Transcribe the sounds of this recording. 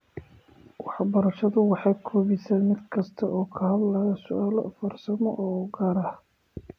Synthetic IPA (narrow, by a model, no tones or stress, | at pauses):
wɑħbɐɾɐʃɐðʊwɑħɑjkʰɔːβɪsaːnmɪd̪kʰɐst̪ʰɐʔɔːkʰɐɦɐd̪lɐjɐsʊʔaːlɔ̰fɐrsɐmɔ̰ʔɔːɡɐːɾɐh